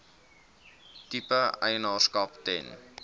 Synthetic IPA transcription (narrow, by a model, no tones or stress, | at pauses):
tipəə̰jnɑːskɐptɛ̰n